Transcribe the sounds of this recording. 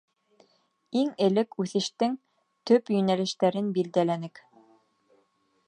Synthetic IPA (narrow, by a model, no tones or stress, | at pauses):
iŋɘ̆lɘkʉθɘ̆ʃt̪ɘŋ | t̪ɵpjɵ̆nælɘ̆ʃt̪æɾɘnbild̪ælænɘk